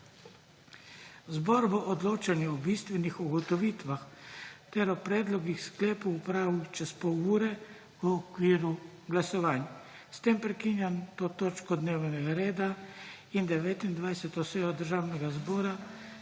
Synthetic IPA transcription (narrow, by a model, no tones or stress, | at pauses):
zbɔɾboʔɔd̪loːt͡ʃanjɛɔbist̪ʋɛnixuɡɔt̪ɔʋiːt̪ʋaxt̪ɛɾɔpɾɛːd̪lɔɡixsklɛːpoːpɾaːʋut͡ʃɛspɔwuːɾɛ | ʋəːkʋiːɾu | ɡlasɔʋaːnja | st̪eːmpɾɛkiːnjant̪oːt̪oːt͡ʃkɔd̪neːwnɛɡaɾeːd̪aind̪ɛʋeːt̪ind̪ʋajsɛt̪ɔseːjɔd̪əɾʒaːwnɛɡazbɔːɾa